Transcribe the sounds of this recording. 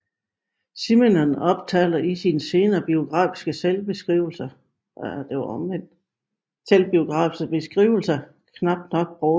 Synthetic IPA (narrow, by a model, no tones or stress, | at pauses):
simenɒnɒ̽b̥̚t͡sʰɛ̰ːlɐisinse̝ːnɐb̥io̝ɡ̥ʁɑ̰̈ːfi̥sɡ̥əselb̥e̝sɡ̥ʁiʊl̩sɐ | d̥e̝ʋɐɒmʋen̰d̥ | selb̥io̝ɡ̥ʁɑ̰̈ːfi̥sɡ̥əb̥e̝sɡ̥ʁḭːʊl̩sɐ | kʰnɑ̈b̥̚d̥nɒ̽ɡ̥̚b̥ʁɔ